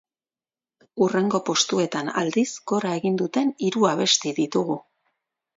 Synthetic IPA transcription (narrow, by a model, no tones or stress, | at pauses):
ure̞ŋɡo̞po̞st̪ue̞t̪ana̰ld̪isɡo̞ɾae̞ɣind̪ut̪e̞niɾuaβ̞e̞st̪iðit̪uɣu